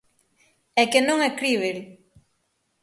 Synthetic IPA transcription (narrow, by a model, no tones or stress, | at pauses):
ɛkenõŋɛkɾiβel